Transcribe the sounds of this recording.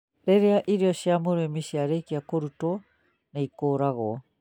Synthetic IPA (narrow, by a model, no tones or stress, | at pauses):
ɾeɾeaʔiɾiosiamuɾemisiaɾejkiakoɾuto | nejkoːɾaɣo